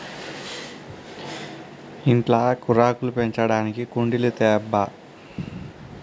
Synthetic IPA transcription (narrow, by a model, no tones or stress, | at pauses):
iɳʈlakuɾaːkulupeɲt͡ʃɐɽaːnikikuɳɖilut̪ɛːbːɐ